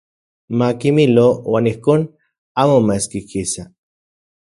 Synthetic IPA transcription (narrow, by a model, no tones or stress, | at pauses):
makimilowanihkon | amomaskikʰisa